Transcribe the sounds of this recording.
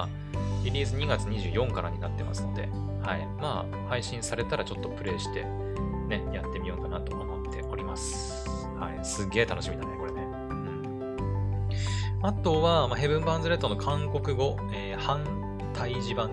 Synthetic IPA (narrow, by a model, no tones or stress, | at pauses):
a | ɾʲiɾʲiːzɨɲ̟iɡat͡sɨɲ̟iʑɨ̰ːjõ̞ŋkaɾa̰ɲ̟inat̪ːe̞̰ma̰sɨno̞̰d̪e̞̰ | hai | maː | haiɕĩɰ̃saɾe̞t̪aɾat͡ɕo̞t̪ːo̞pɯ̟ɾe̞ːɕi̥t̪e̞̰ | ne̞jat̪ːe̞mʲiõːŋkanat̪o̞omo̞t̪ʰːe̞ʔo̞ɾʲimasɨ̥ | haisɨɡe̞ːt̪ano̞ɕimid̪aneko̞ɾene | ɯ̟̃ɴ | at̪o̞βamaɦe̞bɯ̟̃mbãnzɨɾe̞t̪ːono̞kʰãŋko̞kɯ̟ɡo̞ | eːhãn | t̪aiʑibãŋ